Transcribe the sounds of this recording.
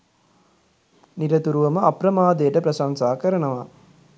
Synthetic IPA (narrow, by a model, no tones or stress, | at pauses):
niɾɐt̪uɾuʋɐmɐɐpɾɐmaːd̪ɐjɐʈɐpɾɐsaŋsaːkɐɾɐɳɐʋaː